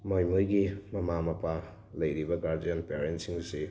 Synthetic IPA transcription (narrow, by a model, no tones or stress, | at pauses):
mojmojɡimɐmamɐpʰa | lɐjɾibɐɡaɾdijanpeɾentsiŋsi